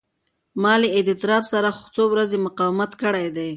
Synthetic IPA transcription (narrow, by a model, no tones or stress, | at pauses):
mɑleed̪ɪt̪ɾɑbsaɾaxʊ̥t͡sowɾazemʊqɑwɪmat̪kəɽajd̪aj